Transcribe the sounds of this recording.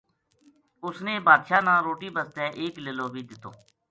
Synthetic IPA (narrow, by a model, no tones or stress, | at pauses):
ʊsneːbaːd̪ʃaːnãːɾoːʈiːbəst̪ɛːʔeːkleloːbʱiːd̪ɪt̪ʰːo̰ː